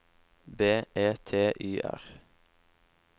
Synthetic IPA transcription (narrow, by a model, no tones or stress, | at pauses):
beːeːt̪ʰeːʔyːʔæ̰ʁ